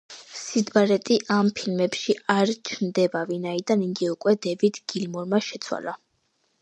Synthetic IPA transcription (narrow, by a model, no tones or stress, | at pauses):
sid̪baɾɛt̪ʼiʔampʰilmɛpʃiaɾt͡ʃʰnd̪ɛbavinaid̪aniŋɡ̪iukʼwɛd̪ɛvid̪ɡ̥ilmɔɾmaʃɛt̪sʰwa̰la